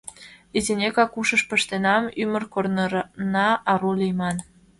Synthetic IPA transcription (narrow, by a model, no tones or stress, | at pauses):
izenʲekɑkuʃəʃpəʃt̪enɑmymərkornəɾnɑɑɾulijmɑn